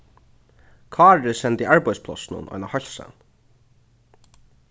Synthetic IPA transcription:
kʰɑːɹɪsɛnt̪iːaɹpɔjspʰlɔ̰snʊ̰nʔɔ̰jnahœlʲsa̰n

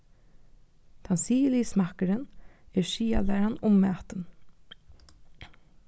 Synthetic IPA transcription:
t̪ʰansiːliːsmakəɾɪnɛɹʃiːa̰læːɾanʊmːæːt̪ən

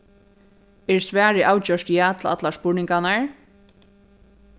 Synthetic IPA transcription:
ɛɹsʋæːɹɪʔaːwt͡ɕœʂt̪jaːt̪ʰla̰t̪lḁspʊɹnɪŋkanaɹ

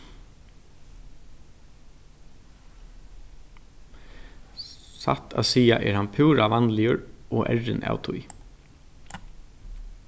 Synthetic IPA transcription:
sa̰t̪ʰa̰siːaʔɛːɹhanpʰuːɹaʋɑnlɪəɹɔːʔɛɹɪnʔa̰wt̪ʰʊj

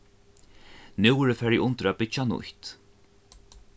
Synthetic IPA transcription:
nɪwɾəfɛɾiʔʊnt̪əɾapɪt͡ʃanʊ̰ht̪

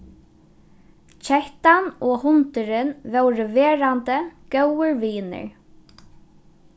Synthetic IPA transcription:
t͡ɕʰɛht̪anɔːhʊnt̪ɪɾɪnvɛwɾɪveːɾant̪əkœwəɹʋiːnɪ̰ɹ

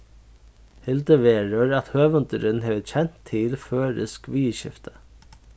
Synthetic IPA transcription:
hɪlt̪əʋeːɹəɹat̪høːʋənt̪əɾɪnɦɛːʋət͡ɕʰɛn̥t̪ʰːɪlføːɾɪ̰skʋiːʃɪ̰ft̪ə̥

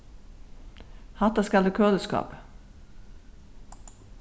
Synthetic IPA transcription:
hɑt̪ɑskɑlʉkʰøːləskɑ̰ːp

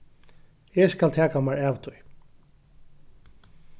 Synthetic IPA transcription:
ɛskalt̪ʰɛːkamaɹɛːʋt̪ʰʊj

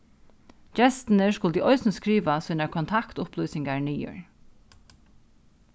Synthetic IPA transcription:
d͡ʒɛst̪nəskʊlt̪iʔɔʏsnəskɾiːʋasuːnaɹkʰɔnt̪ʰakt̪ʊpluːsɪŋɡaɹniːʏ̰ɹ

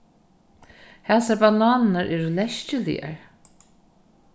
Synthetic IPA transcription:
hɛːsaɾbanaːnnaɹʔɛːɾulɛʃt͡ɕɪlḭa̰ɹ

